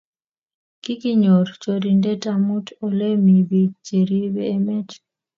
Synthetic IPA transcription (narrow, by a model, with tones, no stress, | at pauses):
ki˦ki˦ɲo˨ɾt͡ʃo˨ɾi˨nde˦ta˦mu˦tɔ˨le˦mi˨bi˨t͡ʃe˨ɾi˦bɛː˦mɛ˦t